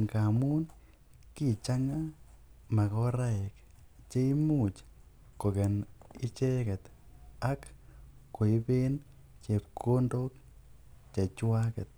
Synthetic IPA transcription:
ŋɡa˨mu˦n | ki˦t͡ʃa˦ŋa˦ | ma˨kɔ˦ɾa˦ɛ˨k | t͡ʃe˦i˦mu˦t͡ʃ | ko˨ɡɛ˨nɪ˦t͡ʃe˦kɛ˨t̪ | a˦kː | o˨i˦be˦n | t͡ʃe˨p̚kʰo˦ndo˦k | t͡ʃa˨t͡ʃwa˦kɛ˨t̪̚

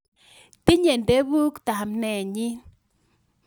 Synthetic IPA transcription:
t̪ɪ˦ɲe˨nde˦bu˦kt̪a˨mnɛ˨ɲɪ˦

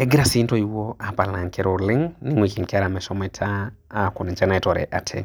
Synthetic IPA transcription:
ɛ˦ɡɪ˦ɾa˨si˦ntɔ˦i˦wo˦a˨pa˨la˨ŋkɛɾo˨lɪ˦ŋni˦ŋwi˨ki˨ŋka˦ɾa˨mɛ˨ʃɔ˦mɛ˨tʰaː˦˨kɔ˨ni˨d͡ʒɛ˦na˨tɔ˨ɾɛ̰˨ʔa˨tʰɛ̰˨

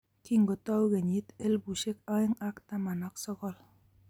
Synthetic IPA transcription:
ki˦ŋɡo˨t̪ɔ˦wɣe˨ɲi˦t̪e˦lbu˨ʃe˦ka˦e˦ŋa˦kt̪a˦ma˨na˦ksɔ˦kɔ˦l

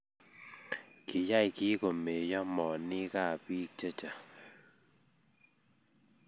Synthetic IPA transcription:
ki˨ja˦˨jki˦ko˨me˨jɔ˦mɔ˨ni˦ka˦˨pi˦t͡ʃə˦t͡ʃa˨

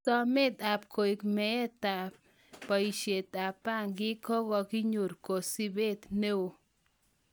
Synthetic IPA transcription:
sɔ˦mɪ˦t̪a˨p̚kʰo˨i˨kmɛ˨˦t̪a˨ | pa˨i˨ʃe˨t̪a˨pa˦˨ŋɡɪ˦kɔ˦ɡɔ˧kɪ˦ɲo˨ɾko˨si˦be˦t̪ne˦o˨

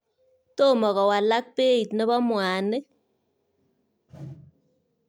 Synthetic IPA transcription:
to˦˨mɔ˨kɔ˨wa˨la˦k̚pe˦i˨tne˦bɔ˦mwa˨ne˦

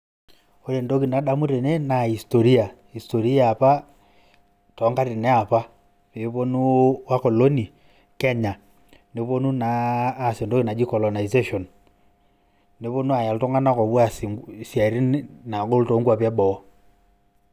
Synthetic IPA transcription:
o˨˦ɾe˨ndo˦ɣi˨na˨ɗa˦mu˦ɾe˨ne˦na˨i˨sto˨ɾi˦a˨ | i˨sto˨ɾi˦a˨pa˦ | tɔ˨˦ŋɡa˦ɾe˨ne˦a˨pa˦ | pe˨βo˦nu˦wa˦ko˨lo˦ni˨ | kɛ˦ɲa˨ | ne˨˦βo˦nu˦naː˨se˨ndo˦ki˦na˨d͡ʒi˦kɔ˨lo˨na˨ize˦ʃɔ˨n | e˨˦βo˦nu˦a˨ja˨lto˦ŋa˦na˦kɔ˨βwa˦ssja˨i˨ɾi˦n˦na˨ko˦lto˨˦ŋɡwa˨pja˦bɔ˨˦

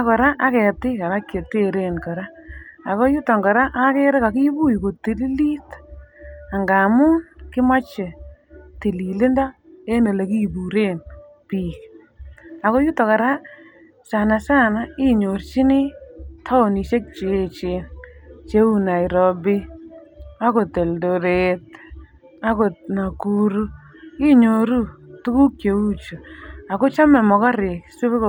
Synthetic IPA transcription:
a˨kɔ˨ɾa˦ʔa˦kɛ˨tɪ˦ka˨ɾa˦kje˨te˦ɾe˦˨nkɔ˨ɾaː˦˨ | ko˦ju˦tɔ˨ŋɡɔ˨ɾa˦ʔa˦ke˦ɾe˦ka˨ki˦bu˦jko˨ti˨li˦li˦t | a˨ŋɡa˨muː˦nkɪ˦ma˦t͡ʃɪ˨te˨li˨lɪ˦nda˦e˦no˨le˨ki˦bu˨ɾe˦n | piː˨k | a˨ko˦ju˦tɔ˨ka˨ɾa˦ | sa˨na˨sa˦na˦ɪ˦ɲo˨ɾt͡ʃi˦nɪ˦tʰɔ˦˨ni˨ʃe˦k̚t͡ʃe˨˦t͡ʃe˨nt͡ʃe˦u˦na˨i˨ɾɔ˨bɪ˦ | a˦ko˨te˨ldo˨ɾe˨t | a˦ko˨na˨ku˦ɾu˦ | i˦ɲo˨ɾu˦tu˦ku˦k̚t͡ʃe˨u˦t͡ʃo˨a˨ko˦t͡ʃa˦mɛ˨mɔ˨ka˦ɾɪ˨su˦βe˦k

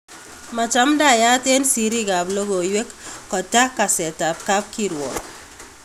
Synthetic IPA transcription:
ma˨t͡ʃa˦mda˨ja˦te˦nsi˨ɾi˦ka˨blo˦ɡo˨jwe˦kːɔ˨ta˦kːa˨sɛ˨ta˨p̚ka˦p̚kiɾwɔ̰˨

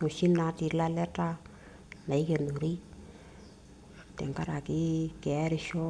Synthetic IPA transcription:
ŋo˨ʃi˦na˨˦ti˨la˦lɛ˦ta˦ | na˨i˦ke˨nu˨ɾi˦ | tɛ̰˨ŋka˦ɾa˨ki˦kɛ˨ɛ˦ɾɪ˧ʃɔ˦

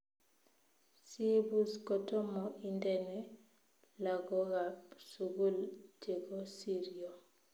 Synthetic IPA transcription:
si˦bu˦skɔtɔ˦mɔʔindɛnɛ˦ | la˨ɡɔ˦ɡapsuɡu˦ld͡ʒe˨ɡɔ˦siɾio˨

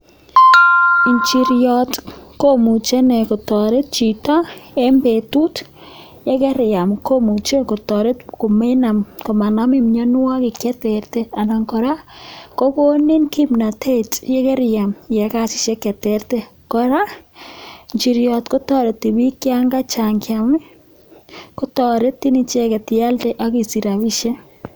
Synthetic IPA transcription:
i˨ɲt͡ʃi˨ɾjɔ˨tko˦mu˨t͡ʃe˦ne˨kɔ˨tɔ˨ɾe˦t̚t͡ʃi˨ta˦e˦mbe˨tu˦t | jɛ˦kɛ˦ɾja˨mkʰo˦mu˨t͡ʃe˦kɔ˨tɔ˨ɾe˦tko˨me˦na˨mko˨ma˨na˦mɪ˦mɲa˦n˦wa˦kɪ˨kɛ˦te˨ɾte˦a˨na˨ŋkɔ˨ɾa˦ko˦ko˦ni˦nki˦mna˨tʰe˦tjɛ˦kɛ˦ɾja˨mjɛ˨ka˦t͡ʃi̥˨ʃe˦kɛ˨tɛ˦rte˦kɔ˨ɾa˦ | ɲt͡ʃi˨ɾjɔ˨tko˦tɔ˦ɾe˨tːi˨bi˦kja˦ŋɡa˦t͡ʃa˨ŋkja˨mɪ˦ | ko˦tɔ˨ɾe˦tːi˦ni˦t͡ʃe˦kɛ˨tja˦lte˦ʔa˦ki˨si˨ɾa˨βi˦ʃe˦

